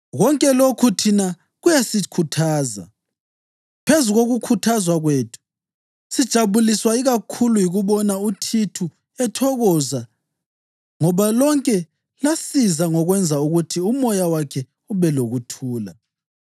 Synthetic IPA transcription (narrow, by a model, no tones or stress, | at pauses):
ɣɔŋkʼɛlokʰutʰina | ɣujasikʰutʰaːza̰ | pʰezuɣoɣukʰutʰazwaɣweːtʰu̥ | sid̥ʒ̥ʱaβuliswaiɣakʰulujiɣuβɔnautʰitʰu | ɛtʰɔɣɔza | ŋɔβalɔŋkʼɛ | lasizaŋɔɣwɛnd͡zʱauɣutʰiumɔjawakʰɛ | uβɛloɣutʰuːla̰